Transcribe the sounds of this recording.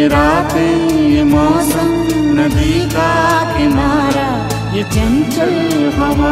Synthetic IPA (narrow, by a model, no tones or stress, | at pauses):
iɾaːt̪ijimɔːsɐmnɐd̪iːkaːt̪inaːɾɐ | jit͡ʃɐnt͡ʃɐl | ɦɐʋɐ